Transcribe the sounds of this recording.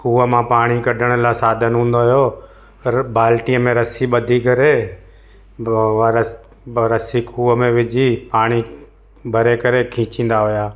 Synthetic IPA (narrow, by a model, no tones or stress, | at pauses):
kʰuːəmãpaːɽ̃ikɐɖʱəɽ̃əlasaːd̪ʱənɦũːnd̪oɦɪjoː | baːlʈiəmẽɾɐsiɓəd̪ʱikəɾe | ɾ | ɾəsikʰuːəmẽʋɪd͡ʒʱipaːɽ̃i | bʱəɾekəɾekʰĩːt͡ʃĩːnd̪aɦʊjaː